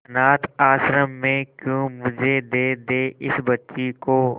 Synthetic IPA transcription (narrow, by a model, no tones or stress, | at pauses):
naːt̪ʰaːsɾəmːẽkjõːmʊd͡ʒʱed̪eːd̪eːʔɪsbɐtːʃikoː